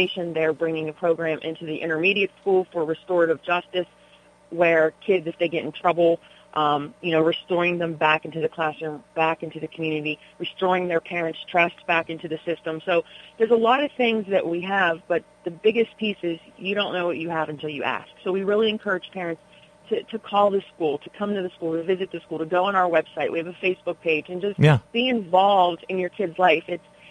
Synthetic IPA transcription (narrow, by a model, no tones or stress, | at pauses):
eɪʃɨ̃nðə˞bɹɪ̃ŋɪ̃ŋɨpʰɹ̥oʊɡɹæ̃mʔɪ̰̃ntʉðiʔɪ̰̃ɾ̃ə˞miɾiɨtskulˠfə˞ɹɨstɔɹɾʌvd͡ʒʌstɨs | wə˞kʰɪdzɨfðeɪɡɛɾ̃n̩tʰɹ̥ʌbl̩ˠ | ʔʌ̃mjɨñoʊɹistɔɹɪ̃ŋðɨ̃mbækɪ̃n̩tʉðɨkʰl̥æsə̃˞b̥ækɪ̃ntʉðɨkʰm̩jʉnɨɾi | ɹɨstɔɹɪ̃ŋðə˞pʰɛɹɨ̃ntstʰɹ̥ʌstsb̥ækɪ̃ntʉðɨsɪstə̃msoʊðə˞zəlɔɾʌv̥θɪ̃ŋzðɨ̰ʔwʔiəvb̥ʌt̪̚ðɨbɪɡɨspʰisɨzjɨɾõʊ̃nːoʊwʌt͡ʃɨəvɨ̃n̩tʰɪlˠjɨ̰ʔæ̰sksoʊwiɹɪlˠiɨ̃nkʰɜ˞ɨd̥ʒ̥pʰɛɹɨ̃nts | tʰɨɾʰɨkʰɔlˠðɨskulˠtʰɨkʰʌ̃mtɨðɨskulˠtɨvɪzɨt̪̚ðɨskulˠtɨɡoʊə̃ñaʊə˞wɛb̥saɪʔ̚wiɨvɨfeɪsb̥ʊk̚pʰeɪd͡ʒɨ̃nd͡ʒʌstjb̥iɨ̃ɱvɑlˠvdɪ̃njə˞kʰɪdzlaɪfɨts